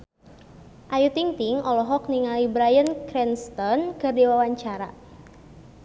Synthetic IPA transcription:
ʔajut̪iŋt̪iŋʔɔlɔɦɔk̚niŋalibɾajənkɾɛnst̪ɔnkərdiwawaɲt͡ʃaɾa̰

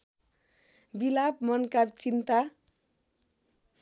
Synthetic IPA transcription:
bilab̚mʌnkart͡sint̪a

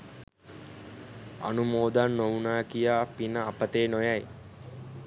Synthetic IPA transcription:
a̰numoːd̪anːowunaːkijaːpinəːpət̪eːnojaj

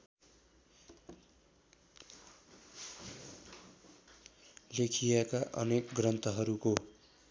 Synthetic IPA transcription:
lekʰijakaʔʌ̰nekɡrʌnt̪ʌɦʌɾuko

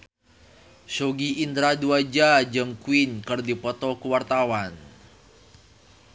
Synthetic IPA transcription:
soɡiːnd̪ɾaduad͡ʒad͡ʒəŋkuinkɨrdipɔt̪ɔkuwart̪awan

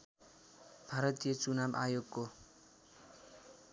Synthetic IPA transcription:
b̥ʱaɾʌt̪ijʌt͡sunamʔa̰joɡko

